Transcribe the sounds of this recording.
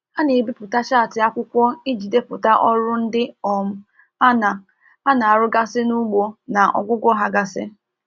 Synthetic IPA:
a˦ne˨bi˦pʊ˨ta˦ʃa˦˨tɪ˨a˦kʷʊ˦kʷɔ˦i˦d͡ʒi˨de˨pʊ˨ta˦ʔɔ˦ɾʊ˦n̩˦dɪ˦ɔ˨m̩˦ | a˦na˨ | a˦na˨a˨ɾʊ˦ɡa˦sɪ˦nu˦ɡ͡bo˦na˨ʔɔ̰˨ɡʷʊ˦ɡʷɔ˦ɦa˦ɡa˨sɪ˦

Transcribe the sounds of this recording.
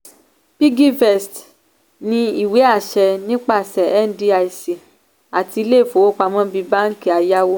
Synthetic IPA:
pi˦ɡi˦fɛ˨st | nĩ˧i˦˨we˨˦a˦˨ʃɛ˧nĩ˦k͡pa˦˨sɛ˨ɛ˦n̩˦di˦a˧i˨si˨ | a˨ti˧i˧le˦˨fo˨wo˦k͡pa˧mɔ̃˦bi˧ba˦ŋ̩˦ki˨a˨ja˦wo˧

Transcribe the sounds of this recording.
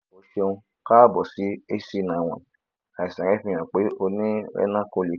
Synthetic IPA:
o˧ʃe˧ũ˧ | ka˦bɔ˨si˨˦e˦si˧nã˨w̃ɔ̰̃˨ | a˨i˨sã˨ɾɛ˨˦fĩ˧j̃ã˨k͡pe˨˦o˧nĩ˦ɾɛ̰˦nã˦kõ˧li˨

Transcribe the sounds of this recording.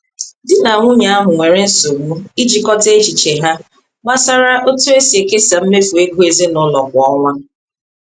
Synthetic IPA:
dɪ˦na˨ŋʷʊ˦ɲa˨a˦ɦʊ˨ŋʷe˨ɾe˦n̩˦so˨ɡ͡bu˦i˦d͡ʒi˨kɔ˦te˦t͡ʃi˨t͡ʃe˨ɦa˦ | ma˦sa˦ɾa˦ʔo˦tu˦e˦si˨e˨ke˦sa˨m̩˦me˦fu˨e˦ɡʷu˦e˨zi˦nʊ˦lɔ˨kʷʊ˨ɔ˦ŋʷa˦

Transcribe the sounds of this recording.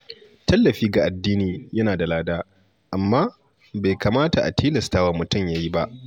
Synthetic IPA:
tɐ˦lːɐ˨ɸiː˦ɡa˨ʔa˨dːiː˦niː˨jɐ˦naː˨da˨laː˦daː˦ | ʔa˨mːaː˦ | ba˨jkaː˨maː˦ta˨ʔa̰˨tʰiː˦lɐ˨staː˦waː˦mʊ˨tʊ˦˨mjaː˦ji˦ba˦ʔ

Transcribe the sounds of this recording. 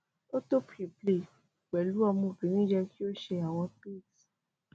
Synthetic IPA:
o˦to˦pi˨ple˨ | k͡pɛ˨lu˨˦ɔ˧mũ˦˨kĩ˨˦nĩ˦d͡ʒɛ˧ki˦o˦ʃe˧a˨w̃ɔ̃˧pi˦˨t

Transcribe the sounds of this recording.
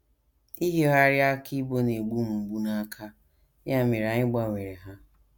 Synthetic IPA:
i˦ɦe˦ɦa˦ɾja˦ki˦bo˦ne˨ɡ͡bu˦m̩˨ŋ͡m̩˨ɡ͡bu˦na˦kʰa˦ | ja˦˨me˨ɾa˨ɲɪ˦ɡ͡ba˦˨ŋʷe˨ɾe˨ɦa˦

